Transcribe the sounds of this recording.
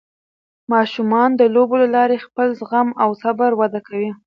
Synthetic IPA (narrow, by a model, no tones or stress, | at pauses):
mɑʃumɑnd̪əlobolalɑɾexpəlzɣamawsabaɾwad̪akawi